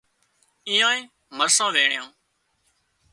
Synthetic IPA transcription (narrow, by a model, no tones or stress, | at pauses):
iːãːĩː | məɾsãːʋeːɳɪjãː